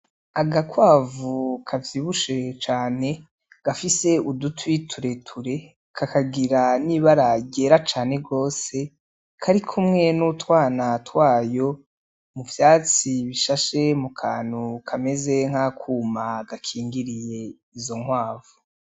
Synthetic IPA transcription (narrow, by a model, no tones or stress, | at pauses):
aɡakwaːvukʰavjiːβuʃe̞t͡ʃaːne̞ | ɡ̥afise̞udutwitʰuɾe̞tʰuɾe̞ | kʰakaɡiɾaniβaɾaɟe̞ːɾat͡ʃaːne̞ɡo̞ːse̞ | kʰaɾikʰumŋe̞nutwaːnatwaːjo̞ | muvjaːt͡siβiʃaʃe̞mukʰaːn̥hukʰame̞ze̞ŋ̥hakʰuːmaɡ̥akʰiːŋɡiɾije̞ | izo̞ŋwaːvu